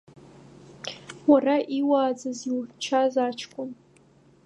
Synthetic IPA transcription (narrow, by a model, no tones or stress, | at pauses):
waraʔiwaːd͡zɨziwt͡ʃʰazat͡ʃʰkʷʼʊm